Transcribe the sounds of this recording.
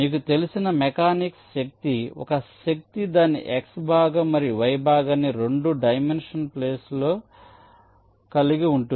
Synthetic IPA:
miːk̬ut̪e̞lisinɐmɛkaːnikʃɐk̚t̪iɔ̰kɐʃɐk̚t̪id̪aːnːḭʔeksbʱaːɡɐmːɐɾiʋɐjbʱaːɡɐnːiɾe̞ɳɖuɖɐjmenʂɐnpleːsloː | kɐliɡiuɳʈu

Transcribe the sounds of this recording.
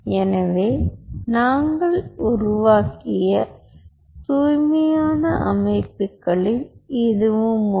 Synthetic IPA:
ɛnɐʋeːnaːŋɡɐɭʊɾʊʋaːkɪjɐ | t̪uːjmɐjaːnɐʔɐmɐɪpːɯkːɐɭɪlɪðɯʋɯm

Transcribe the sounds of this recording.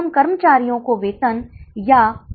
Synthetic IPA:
mkɐɾmət͡ʃaːɾijõkoʋeːt̪ənja

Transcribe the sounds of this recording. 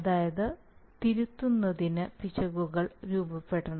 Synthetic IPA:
ɐðaːjɐðɨ | t̪iɾut̪ːunːɐðinɨpit͡ɕɐɣuɣɐɭɾuːbɐpːe̞ɽːɐɳɐ

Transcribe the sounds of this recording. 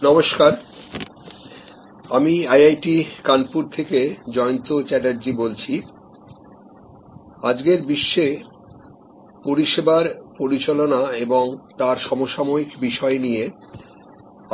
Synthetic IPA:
nɔmoʃkaɾ | amiajajʈikanpuɾt̪ʰeked͡ʑɔont̪ot͡ɕɛɖaɾd͡ʑibolt͡ɕʰi | ad͡ʑɡeɾbiʃːe | poɾiʃebaɾpoɾit͡ɕalonaeboŋt̪aɾʃɔmoʃamoikbiʃɔenije

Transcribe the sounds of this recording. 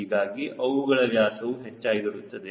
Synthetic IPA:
iɡaːɡiʔʔɐʋuɡɐɭɐʋjaːsɐʋuɦet͡ʃːaːjiɡɐɽut̪ːɐd̪e

